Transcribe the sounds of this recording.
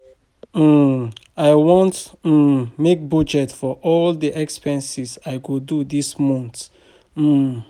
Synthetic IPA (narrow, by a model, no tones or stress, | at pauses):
aɪwɔ̃nt̩ | mek̚bɔd͡ʒɛtfɔʔɔldiʔɛkspɛ̃nsizaɪɡodudismɔ̃nt̩